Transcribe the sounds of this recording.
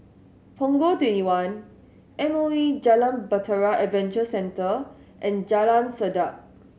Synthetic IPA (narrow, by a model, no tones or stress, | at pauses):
pʰɔ̃ŋɡotwɛ̃ntiwãn | ʔɛ̃moid͡ʒalãmbətʰəɹaʔɛvɛ̃nt͡ʃəsɛ̃ntə | ʔɛ̃nd͡ʒalãmsədak̚